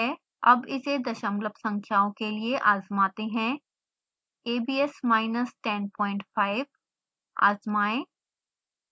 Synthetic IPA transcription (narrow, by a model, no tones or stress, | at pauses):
ɛ | ɐbɪsed̪ɐʃəmləpsɐ̃ŋkʰjaːõkelieʔaːzmaːt̪eɦɛ̃ː | eːbiːɛsmaːɪnəsʈɛnpɔ̃ːɪ̃ɳʈfʰaːɪb | a̰ːzmaːẽ